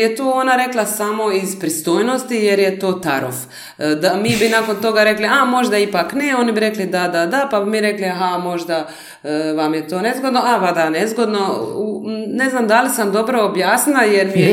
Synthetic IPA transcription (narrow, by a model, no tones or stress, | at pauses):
et̪oːonaɾe̞klˠasamo̞izpɾist̪o̞ːjno̞st̪ije̞ɾjet̪o̞ːt̪aɾo̰f | d̪amiːbinako̞nt̪o̞ɡaɾe̞kliamo̞ʒd̪aipakneo̞nibiɾe̞klid̪ad̪ad̪apabimiɾe̞kliaɦamo̞ʒd̪a | ʋamjet̪oːne̞zɡo̞d̪noʔaʋad̪anezɡo̞d̪no̞une̞znamd̪alisamd̪o̞bɾoːbjaːsnilajeɾmije